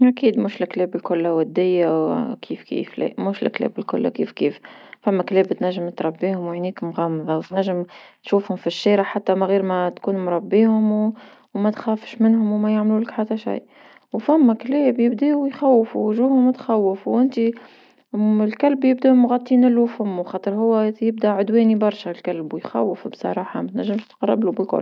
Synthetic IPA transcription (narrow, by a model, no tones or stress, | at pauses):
ʔakiːd̪muːʃlɪkleːbɪlkʊlːawæd̪ːɪjːawkʰiːfkḭːflḛːʔmuːʃlɪ̰klḛːbɪlkʊ̰lːa̰kiːfkiːffæmːækleːbt̪næʒːɪmt̪ɾˤɑbːiːhʊmwaʕniːkmɣɑmːðˤɑwt̪næʒːɪmt̪ʃuːfhʊmfiʃːiːɾaħat̪ːæmæɣiːɾmæt̪kuːnmɾˤɑbːiːhʊmw | mæt̪xæːfʃmɪnhʊmwmæjaʕmluːlɪkħat̪ːæʃa̰jʔ | wfæmːækleːbjɪbd̪iːwjxæwːfuʒuːhʊmːʊt̪xawːɪfwʔɪnt̪i | ɪlkælbjɪb̚d̪æʔmɣɑt̪ˤːiːnɪlːuwfæmːuxɑːt̪ˤɨɾˤɦʊwːæjɪb̚d̪æʕʊd̪wɛːnibɑɾˤʃælkælbwjxæ̰wːəfbsˤɑ̰ɾˤɑːħamæt̪næʒːɪmʃt̪qɑrˤːɪ̰blubəqʊ̰l